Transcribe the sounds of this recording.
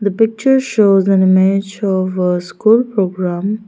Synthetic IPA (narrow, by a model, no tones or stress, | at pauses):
d̪əpɪk̚t͡ʃəɾʃoːzæ̃nɪmɪed͡ʒɔʋəskuːlpɾoːɡɾãm